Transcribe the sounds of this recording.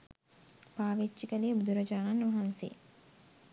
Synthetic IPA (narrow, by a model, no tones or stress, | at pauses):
paːʋet͡ʃːikəliːbud̪uɾɐd͡ʒaːnanːʋɐɦansḛː